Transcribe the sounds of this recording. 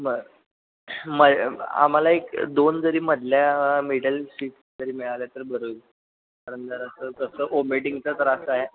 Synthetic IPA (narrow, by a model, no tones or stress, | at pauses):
məɡ | məa̰m̤alaekd̪ond͡zəɾiːməd̪ʱljamiɽəlɕiːʈ | d͡zəɾiːmɛɭaljat̪əɾbʱəɾo | aɾənd̪əɾasəːkəsəːʔomeʈiŋɡt͡sət̪əɾasəaɦe